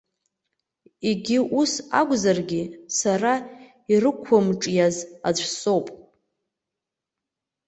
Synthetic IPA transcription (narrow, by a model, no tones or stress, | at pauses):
iɡʲiʔusa̰ɡʷʼzarɡʲisara | irɨkʷʰamʈ͡ʂʼjazad͡ʒʷʰso̞wpʼ